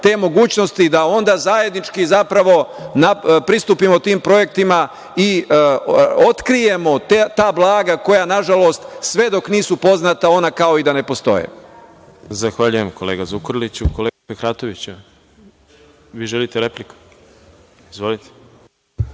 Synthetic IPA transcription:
t̪e̞ːmo̞ɡuːt͡ɕno̞st̪id̪ao̞nd̪azaje̞d̪nit͡ʃkizapɾaʋo̞napɾist̪upimot̪iːmpɾo̞je̞k̚t̪ima | i | o̞t̪kɾije̞mo̞t̪t̪aːblˠaːɡako̞janaʒalo̞st̪sʋe̞d̪o̞kniːsupo̞znat̪ao̞nakao̞id̪ane̞po̞st̪o̞̰jḛ | zaxʋaʎujemkoleːɡazukoɾlit͡ɕukoleːɡapexɾaːt̪oʋit͡ɕu | ʋiːʒelit̪eɾepliku̥ | izʋolit̪e̥

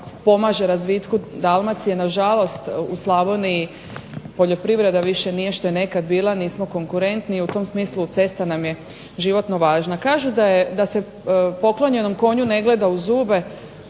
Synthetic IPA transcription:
po̞maʒeɾazʋiːt̪kud̪alˠmat̪sijenaʒalˠo̞st̪uslˠaʋonii | po̞ʎo̞pɾiʋɾe̞d̪aʋiʃe̞nije̞ʃt̪ojene̞kad̪biːlˠaniːsmo̞ko̞ŋkuɾe̞nt̪niut̪o̞msmiːslˠut̪se̞st̪anamje̞ | ʒiʋo̞t̪no̞ʋaːʒnakaːʒud̪ajed̪ase̞ | po̞klo̞ɲe̞no̞mko̞ɲune̞ɡle̞d̪auzuːbe̞

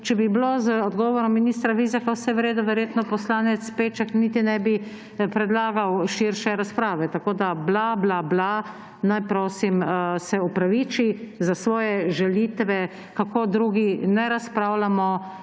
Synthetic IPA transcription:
t͡ʃɛbiblozəɔd̪ɡɔʋɔɾɔmːiniːst̪ɾaʋiːzakawsɛʋɾeːd̪ɔʋɛɾjeːt̪nɔpɔslaːnɛt̪speːt͡ʃɛknit̪inɛbi | pɾɛd̪laːɡawʃiɾʃɛɾaspɾaːʋɛt̪akoːd̪ablablabla | najpɾoːsimsɛupɾaʋit͡ʃizasʋɔːjɛʒɛlit̪ʋɛ | kakod̪ɾuːɡinɛɾaspɾawlamɔ

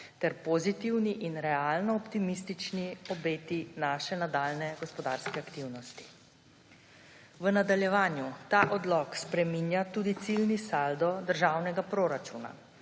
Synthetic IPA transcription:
t̪ɛɾpozit̪iwniʔinɾɛalnɔːpt̪imist̪it͡ʃniɔbeːt̪inaːʃɛnad̪aːlnɛɡɔspɔd̪aːɾskɛakt̪iwnɔst̪i̥ | ʋənad̪aljɛʋaːnjut̪aːʔɔd̪lɔkspɾɛminjat̪uːd̪it̪silnisald̪ɔd̪əɾʒaːwnɛɡapɾoɾat͡ʃuna̰

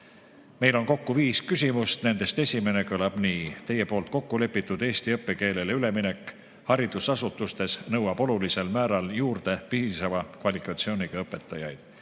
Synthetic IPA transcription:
me̞jlo̞nko̞kːuviːskys̬ʲimust̪ne̞nd̪̥e̞st̪e̞sʲime̞ne̞kɤlɑb̥niːt̪e̞jːepo̞ːlt̪̚ko̞kːule̞pːˑit̪ːˑud̪̥e̞ːst̪iɤpːe̞ke̞ːle̞leyle̞minekːˑ | hɑɾid̪̥usɑsut̪ːˑust̪e̞snɤwɑb̥o̞lulise̞lmæːɾɑljuːrd̪̥e̞piːsɑvɑkvɑlikˑɑt̪sio̞ːniɡ̥ɑɤpːˑe̞t̪ːˑɑjɑ̰jd̪̥

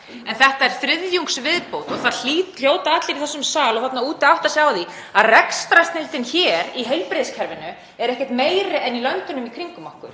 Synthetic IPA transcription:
ɛnθɛht̪aɛɾ̥fɾɪðjuŋksvɪðpowt̪ɔɣθaðiːl̥joːwt̪aat̪lɪɾiθɛsʏmsaːlɔɣθat̪nauːt̪ɪawht̪asjaːwði | aðrɛkst̪ɾast̪nɪlt̪ɪnçɛːɾiɦejlpɾɪðskʰɛɾvɪnʏ | ɛɾɛhcɛht̪meːjɾɪʔɛnilœnt̪ʏnʏmikʰɾiŋkʏmahkʏɾ̥

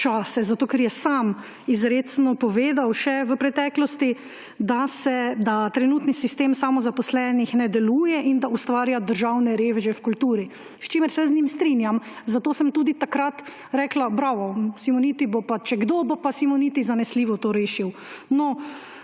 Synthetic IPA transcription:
t͡ʃaːsɛzat̪oːkɛɾjɛsam | izɾeːsnɔpɔʋeːd̪awʃɛʋəpɾɛt̪ɛːklɔst̪i | d̪asɛd̪at̪ɾɛnuːt̪nisist̪eːmsamɔzapɔslɛnixnɛd̪ɛluːjɛʔind̪aust̪ʋaːɾjad̪əɾʒawnɛɾeːʋɛʒɛfkult̪uːɾi | st͡ʃeːmɛɾsɛznʲimst̪ɾinjam | zat̪oːsəmt̪uːd̪it̪akɾat̪ | ɾɛːklabɾaʋɔsimɔnit̪ibopat͡ʃɛɡd̪oːbopasimɔnit̪izanɛsliːʋɔt̪oɾeːʃiw | nɔ

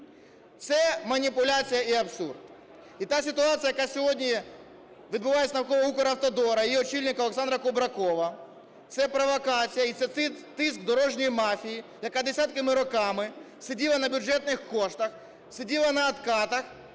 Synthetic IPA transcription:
t̪sɛmɐnʲipʊlʲat͡sʲijɐiɐpsṵrd̪ | it̪asʲɪt̪ʊat̪sʲɨjɐkasʲɦodʲnʲi | ʋʲɪd̪bʊʋajesʲnɐwkɔʋɐukɔɾɐwt̪ɔd̪ɔɾɐɪjɔt͡ɕilʲnʲɪkɐlˠɛksand̪ɾɐkʊbɾɐkɔʋɐ | t̪sɛpɾɐʋɐkat͡sʲijɐit̪sɛt̪sɪt̪ɪs̬k̚d̪ɔɾɔʐnʲɔjmafʲijijɐkad̪ʲesʲat̪̚kɐmɪɾʊkamɪ | sɪdʲilˠɐnɐbʲʊʐɛt̪nɪxkɔʂt̪ɐx | sɪdʲilˠɐnɐːt̪kat̪ɐx

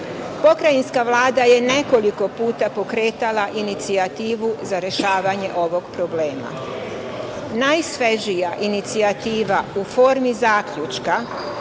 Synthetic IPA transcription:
po̞kɾajinskaʋlˠaːd̪aje̞ne̞ko̞liko̞puːt̪apo̞kɾe̞ːt̪alaʔinit̪siat̪iːʋuzaɾe̞ʃaːʋaɲe̞ʔo̞ʋo̞ɡpɾo̞ble̞ːma̰ | najsʋeʒijaʔinit̪siat̪iːʋaufo̞ːɾmizaːkʎut͡ʃka

